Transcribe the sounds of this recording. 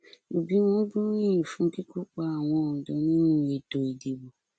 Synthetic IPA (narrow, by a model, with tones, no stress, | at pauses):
o˨bi˨˦wɔ̃˦bɔ˦n˦ĩ˦˨jĩ˨fũ˧˦ki˦ku˦k͡pa˦a˨w̃ɔ̃˧˨dɔ̃˨˦nĩ˦nũ˦˨je˨do˨i˨de˨bo˨